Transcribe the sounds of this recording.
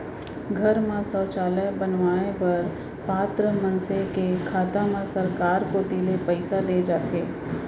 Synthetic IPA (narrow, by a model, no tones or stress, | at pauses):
ɡʱɐɾmãsɔːt͡ʃaːləjbənʋaːnepɐɾ | paːt̪ɾəmɐ̃nsekekʰaːt̪amãsɐɾkaːɾkod̪iːlepɛɪsad̪eːd͡ʒaːt̪eː